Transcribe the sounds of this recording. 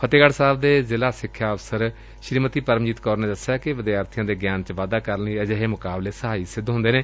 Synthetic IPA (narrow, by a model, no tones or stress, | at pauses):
pʰət̪eːɡəɽsaːbd̪eːzɪlaːsɪkʰːjaːəʋsəɾ | ʃɾiːmət̪iːpəɾəmd͡ʒiːt̪kɔːɾnẽːd̪əsjaːkɪʋəd̪iaːəɾt̪ʰɪjãːd̪eːɡjaːnt͡ʃʋaːd̪aːkəɾniːəd͡ʒeɦeːmʊkaːbleːsəɦaːiːsɪd̪ɦʊ̃nd̪eːnẽː